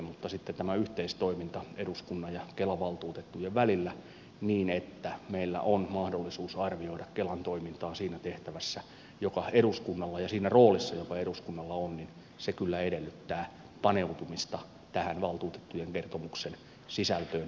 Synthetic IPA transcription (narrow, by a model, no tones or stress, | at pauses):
mut̪ːɑsit̪ːet̪æmæyht̪eist̪oimint̪ɑeɾuskunːɑjjɑkelɑʋɑlt̪uːt̪et̪ːujeʋʋælilːæ | niːnet̪ːæmeilːæ̰ʔonmɑhdolːisuːsɑrʋioidɑkkelɑnt̪oimint̪ɑːsiːnæt̪eht̪æʋæsːæ | jokɑeɾuskunːɑlːɑjɑsiːnæroːlisːɑjokɑeɾuskunːɑlːɑonnin | sekylːæedelːyt̪ːæː | pɑneut̪umist̪ɑ | t̪æhænʋɑlt̪uːt̪e̥t̪ːujeŋkert̪omuksen | sisælt̪øːn